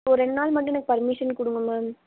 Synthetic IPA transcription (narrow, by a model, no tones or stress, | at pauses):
ɔɾɛɳnaːlmɐʈːʊ̃ɛnɐkːɯ̥pɐɾmɪʂɐnkʊɽɯŋɡɐmaː